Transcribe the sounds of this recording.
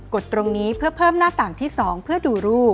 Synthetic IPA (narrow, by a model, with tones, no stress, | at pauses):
ko˨˩t̪ːɾo˧ŋniː˦˥pʰɯ˥˩ɐpʰɤː˥˩mnaː˥˩t̪aː˨˩ŋt̪ʰiː˥˩sɔː˩˦ŋpʰɯ˥˩ɐduː˧ɾuː˥˩p̚